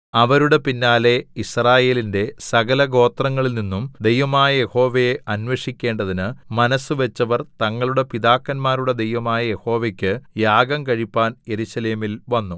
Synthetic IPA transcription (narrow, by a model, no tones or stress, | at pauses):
ɐʋɐɾuɽe̞pinːaːle̞israːje̞ːlinde̞sɐɡɐlɐɡo̞ːt̪rɐŋːɐɭilninːumd̪e̞jʋɐmaːjɐje̞ho̞ːʋejeʔɐnʋɐʂikʲːe̞ːɳɖɐðinɨmɐnɐsuʋe̞t͡ɕːɐʋɐrt̪ɐŋːɐɭuɽe̞piðaːkːɐnmaːɾuɽe̞d̪e̞jʋɐmaːjɐje̞ho̞ːʋekʲːɨjaːɡɐmkɐɻipːaːnje̞ɾuɕɐle̞ːmilʋɐnːu